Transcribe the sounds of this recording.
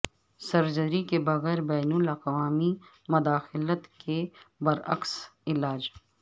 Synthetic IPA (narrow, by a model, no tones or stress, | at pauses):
sɐɾd͡ʒəɾikebɐɣɛːɾbɛːnʊlɐqʋaːmi | mʊd̪aːxɪlət̪kebɐɾɐ̰ksɪlaːd͡ʒ